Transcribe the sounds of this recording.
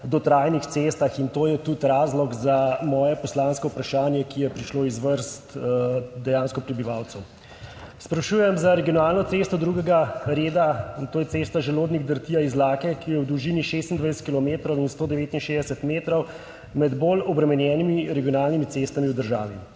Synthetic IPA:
d̪ɔt̪ɾaːjnixt̪seːst̪axint̪oːjɛt̪ut̪ɾaːzlɔɡzamɔːjɛpɔslaːnskɔupɾaʃaːnjɛkijɛpɾiʃloːizʋəɾst̪d̪ɛjaːnskɔpɾɛbiʋaːwt̪sɛw | spɾaʃuːjɛmzaɾɛɡijɔnaːlnɔt̪sest̪ɔd̪ɾuɡɛɡaɾeːd̪at̪oːjɛt̪seːst̪aʒɛloːd̪niɣd̪əɾt̪iːjaizlaːkɛkijɛwd̪uʒiːniʃest̪ind̪ʋajsɛ̥t̪kilɔmeːt̪ɾɔwinst̪oːd̪ɛʋeːt̪inʃeːzd̪ɛsɛt̪meːt̪ɾɔw | mɛd̪bolɔbɾɛmɛnjɛːnimiɾɛɡijɔnalnimit̪sest̪amiwd̪əɾʒa̰ːʋḭ

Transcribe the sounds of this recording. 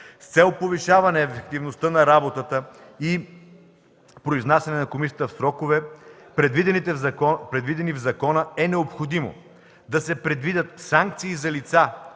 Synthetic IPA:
st̪sɛlˠpoviʃavɐnɛːfɛk̚t̪ivnost̪ənɐɾabot̪ət̪ə | i | pɾoiznasʲjɐnɛnɐkomisijət̪əfsɾɔkovɛpɾɛd̪vid̪ɛnit̪ɛɐkɔpɾɛd̪vid̪ɛnivzɐkɔnəɛnɛopxod̪imo̰ | d̪ɐsɛpɾɛd̪vid̪ət̪saŋk̚t̪siːzɐlit̪sa

